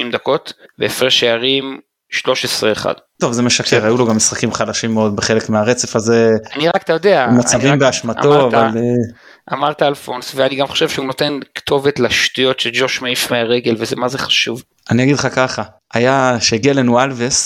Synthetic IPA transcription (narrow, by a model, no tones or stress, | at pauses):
imd̪ako̞t̪beefeʃeaʁim | ʃlo̞ʃesʁeːχa̰d̪̥t̪o̞vze̞me̞ʃakeʁajulo̞ɡamisχakimχadaʃimːeo̞d̪̚beχe̞le̞kmeaʁe̞t͡se̞faze̞aniʁakt̪ajod̪eamat͡savimbeaʃmat̪o̞aval | ʔamaʁt̪aːlfonsveaniɡamχo̞̥ʃev̥ʃeuno̞t̪e̞nkt̪ʰo̞vetlaʃt̪ujo̞tʃeld͡ʒoʃmaifmeaʁeɡe̞lvezemazeχḁʃuv | anijaɡidχakaχa | ʔajaʃeɡialenwalves